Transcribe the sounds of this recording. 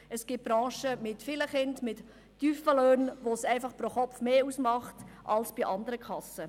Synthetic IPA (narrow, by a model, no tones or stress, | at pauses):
əsɡ̥ɪb̥ɾɑ̃ːʃəmɪtfɪləχɪndmɪtː | yːfəløːnʋosɛɪfɑχpɾoχɔpfmeːusmɑχtʔɑlsb̥iʔɑndəɾəkʰɑsə